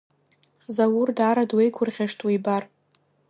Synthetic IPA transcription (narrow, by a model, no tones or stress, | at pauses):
zawurdaːɾadwejkʷʰʊrʁʲaʂtʰʼwibar